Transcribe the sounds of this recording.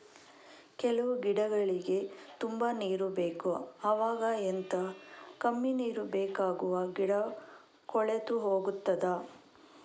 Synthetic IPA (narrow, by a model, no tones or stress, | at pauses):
kɛlɐʋuɡiɽɐɡɐɭiɡe̞t̪umbɐniːɾubeːkuɐʋaːɡɐent̪ɐkɐmːiniːɾubeːkaːɡuʋɐɡiɽɐ | kɔɭet̪uɦoːɡut̪ːɐd̪ɐ